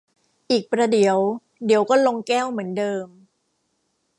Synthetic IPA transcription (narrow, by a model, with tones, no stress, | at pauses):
ʔiː˨˩k̚pɾa˧di˨˩˦əw | di˩˦əwkɔː˥˩lo˧ŋkɛː˥˩wmɯ˩˦əndɤː˧m